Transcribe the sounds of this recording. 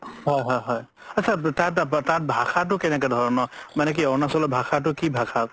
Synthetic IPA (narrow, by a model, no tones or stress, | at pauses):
hɔjɦɔjɦɔj | asʰatãttãt̚bʱakʰat̬ʊkɛnɛk̬ɛd̪ʱɔɹɔnɔmanɛk̬iɔnasɔlɔbʱakat̬ʊkibʱakʰa